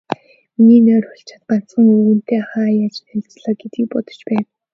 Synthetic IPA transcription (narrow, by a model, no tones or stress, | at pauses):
miniːnœːrʊɬt͡ɕʰḁt̪̚ɢan̥t͡sə̆ŋɵɣɵ̆n̥t̪eːaχaːjaːt͡ɕt̪ʰæt͡sɮaːɡ̥et̪ɡiːk̚pɔt̪ɞ̥̆t͡ɕpæːn